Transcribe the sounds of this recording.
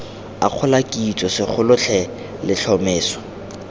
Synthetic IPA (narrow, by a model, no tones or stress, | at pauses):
a̰q͡χʰʊlakʼit͡sʼɔsɪk͡xʰʊlʊt͡ɬʰɛ | lɪɬʰɔmeːswɔ̥